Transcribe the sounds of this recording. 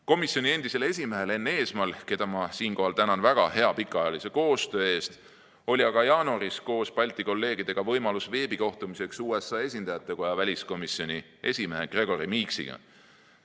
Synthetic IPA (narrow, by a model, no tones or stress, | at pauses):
ko̞misjo̞nʲie̞nd̪̥ise̞le̞sʲimeɦele̞nːee̞ːsmɑlke̞d̪̥ɑmɑsiːnko̞ɦhɑlt̪ænɑnvæɡ̥ɑhe̞ɑpikːˑɑjɑlise̞ko̞ːst̪ø̞ːe̞ːst̪ | o̞lʲiɑɡ̥ɑjɑːnuɑɾisko̞ːspɑlʲt̪ˑiko̞lːe̞ːɡid̪̥e̞ɡ̥ɑvɤ̞jmɑlusve̞ːbiko̞ht̪umise̞ksuːe̞sɑːe̞sʲind̪ɑjɑt̪ːˑe̞ko̞jɑvælʲisko̞misjo̞nʲi | e̞sʲimeɦeɡ̥re̞ɡ̥o̞ɾimiksḭɡ̥ɑ̰